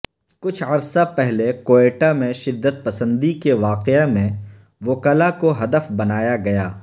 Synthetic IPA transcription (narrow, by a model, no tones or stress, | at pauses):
kʊt͡ʃʰɐɾsapɛɦlekoːeːʈamẽʃɪd̪ːət̪̚pɐsə̃nd̪ikeʋaːqemẽ | ʋokəlakoɦɐd̪əfbɐnaːjaɡɐjaː